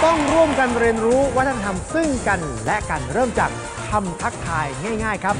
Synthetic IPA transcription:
t̪ɔ˥˩ŋɾu˥˩əmka˧nɾi˧ənɾuː˦˥wa˦˥˩t̪ʰa˧t̪ʰa˧msɯ˥˩ŋka˧nlɛ˦˥ʔka˧nɾɤː˥˩mt͡ɕaː˨˩k̚ | t̪ʰa˧mt̪ʰa˦˥k̚t̪ʰaː˧jŋaː˥˩jŋaː˥˩jkʰa˦˥p̚

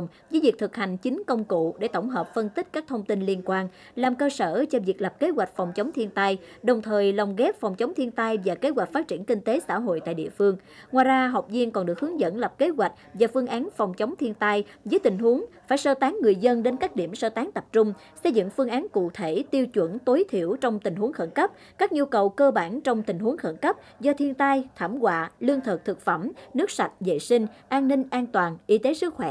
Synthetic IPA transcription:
ŋ͡m | zəː˨˦jvi˨˩k̚t̪ʰɨ˨˩k̚ha˨˩jŋ̟t͡ɕï˨˦ŋ̟kə˧wŋ͡mkṵ˧˨ɗe˧˩t̪ə˧˩wŋ͡mɦəː˨˩p̚fə˧nt̪i˦˥k̟̚kaː˦˥k̚t̪ʰə˧wŋ͡mt̪i˧nli˧ənkwaː˧n | laː˨˩mkəː˧səː˧˩t͡ɕɔ˧vi˨˩ək̚lə˨˩p̚ke˨˦˥ɣwa˨˩jk̟̚fɔ˨˩wŋ͡mt͡ɕə˨˦wŋ͡mt̪ʰi˧nt̪a˧jɗə˨˩wŋ͡mt̪ʰəː˨˩jla˨˩wŋ͡mɣɛ˦˥p̚fa˨˩wŋ͡mt͡ɕə˨˦wŋ͡mt̪ʰi˧ənt̪a˧jvaː˨˩ke˨˦˥ɣwa˨˩k̟̚faː˦˥t̚t͡ɕi˧˩ənkï˧ŋ̟t̪e˨˦sa̰ː˧˥ɦo̰˧˨jt̪a̰ː˧˨ɗḭ˧˨əfɨ˧əŋ | ŋwaː˨˩jzaː˧ɦə˨˩wk͡p̚zi˧ənkɔ˨˩nɗɨ˨˩ək̚hɨ˨˦əŋzə̰˧˥nlə˨˩p̚ke˨˦zwa˨˩k̚vaː˨˩fɨ˧əŋʔaː˨˦nfɔ˨˩wŋ͡mt͡ɕə˨˦wŋ͡mt̪ʰi˧ənt̪a˧jzəː˨˦jt̪ï˨˩ŋ̟ɦu˨˦əŋfaː˧˩jsəː˧˩t̪aː˨˦ŋːɨ˨˩əjzə˧nɗe˨˦nkaː˦˥k̚ɗi˧˩əmsəː˧t̪aː˨˦ŋt̪ə˨˩p̚t͡ɕʊ˧ŋ͡m | sə˧jzɨ̰˧˨ŋfɨ˧əŋʔaː˨˦nkṵ˧˨t̪ʰe˧˩t̪i˧əwt͡ɕwə̰˧˩nt̪o˨˦jt̪ʰi˧˩əwt͡ɕwŋ͡mt̪ï˨˩ŋ̟ɦu˨˦əŋxə˧˩nkə˦˥p̚ | kaː˦˥k̚ɲu˧kə˨˩wkəː˧ɓaː˧˩nt͡ɕɔ˧wŋ͡mt̪ï˨˩ŋ̟ɦu˨˦əŋxə˧˩nkə˦˥p̚ | zɔ˧t̪ʰi˧ənt̪aː˧jt̪ʰa˧˩mɣwa̰ː˧˨lɨ˧əŋt̪ʰɨ˨˩k̚t̪ʰɨ˨˩k̚fə˧˩mnɨ˦˥ək̚sa˨˩t̚zḛ˧˨sï˧ŋ̟ʔaː˧nnï˧ŋ̟ʔaː˧nt̪waː˨˩nʔi˨˦t̪e˨˦sɨ˦˥k̚xwɛ˧˩

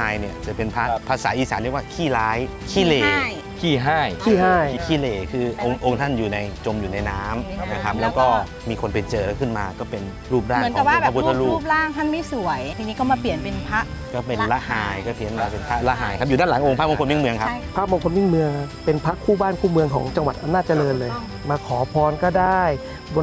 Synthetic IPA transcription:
aː˧jni˥˩ɐt͡ɕa˨˩˦pe˧npʰa˦˥pʰa˧saː˩˦ʔiː˧saː˨˦nli˥˩əkwaː˥˩kʰiː˥˩laː˦˥j | kʰiː˥˩leː˧˩˥ | kʰiː˥˩ɦaː˥˩jkʰiː˥˩ɦaː˥˩jkʰiː˥˩leː˧kʰɯː˧ʔʔo˧ŋʔo˧ŋt̪ʰa˥˩njuː˨˩na˧jt͡ɕo˧mjuː˨˩na˧jnaː˦˥mna˧kʰa˦˥p̚lɛː˦˥wkɔː˥˩ | miː˧kʰo˧npe˧nt͡ɕɤː˧kʰɯ˥˩nmaː˧kɔː˥˩pe˧n | ɾuː˥˩p̚ɾaːm˥˩˦nka˨˩p̚waː˧˥˨ɛ˧pu˦˥˧a˧ɾuː˥˩˥p̚ɾaː˥˩ŋt̪ʰa˥˨nmi˦˥˩su˨˩˦əjt̪ʰi˧niː˦˥kɔ˥˩maː˧pli˨˩ənpi˧npʰa˦˥ʔ | kɔː˥˩pe˧nla˦˥ʔhaː˧jkɔː˥˩pʰi˨˩˦ə˦nwaː˧˩pe˧npʰa˦˥la˦˥ʔɦaː˨˧jkʰa˦˥p̚juː˨˩daː˥˩˨la˨˩˦ʔo˧ŋpʰaː˥˩mo˧ŋko˧mi˥˩ŋmɯ˧əŋkʰa˦˥p̚pʰaː˦˥mo˧ŋkʰo˧nmwi˥˩˨ŋmɯ˧əŋpe˧npʰa˦˥ʔkʰːuː˥˩baː˥˩nkʰuː˥˩mɯ˧əŋkʰɔ̰ː˩˦ŋt͡ɕa˧ŋwa˨˩t̪̚ʔa˧naː˥˩t̪t͡ɕa˧lɤː˧nlɤː˧j | maː˧kʰɔː˩˦pʰɔː˧nkɔː˥˩daː˥˩j | bo˧

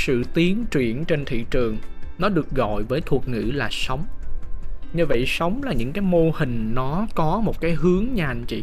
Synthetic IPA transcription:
sɨ̰˧˨t̪i˨˦ənt͡ɕwḭ˧˩˨ənt͡ɕe˧nt̪ʰḭ˧˨t͡ɕɨ˨˩əŋnɔ˨˦ɗɨ˨˩ək̚ɣɔ̰˧˨jvəː˨˦jt̪ʰu˨˩ək̚ŋɨ̰˧˥laː˨˩sə˨˦wŋ͡m | ɲɨ˧və̰˧˨jsə˨˦wŋ͡mlaː˨˩ɲɨ̰˧˥ŋkaː˨˦jmo˧hï˨˩ŋ̟nɔ˨˦kɔ˨˦mo˨˩t̚kaː˨˦jɦɨ˨˦əŋɲaː˨˩nt͡ɕḭ˧˨

